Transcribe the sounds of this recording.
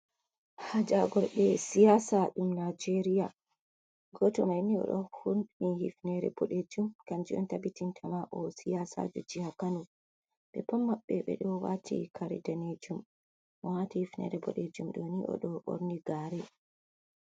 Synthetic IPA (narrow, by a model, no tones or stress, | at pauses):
had͡ʒaɡɔɾɓɛsijasaɗumnad͡ʒeɾija | ɡɔtɔmajniɔ̰ɗɔhunnihḭfnɛɾɛ̰bɔɗed͡ʒumkand͡ʒiɔntabitintʰamaʔɔsijasa̰d͡ʒɔd͡ʒihakanu | ɓɛpamːaɓːɛɓɛ̰ɗɔwa̰tʰḭkʰaɾḭdaned͡ʒum | ʔɔwatihifnɛ̰ɾɛbɔɗed͡ʒumɗoniʔɔ̰ɗɔɓo̰ɾniɡaːɾɛ